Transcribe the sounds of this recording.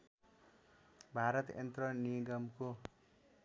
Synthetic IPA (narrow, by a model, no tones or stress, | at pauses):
bʱaɾʌt̪ḛnt̪rʌniɡʌmko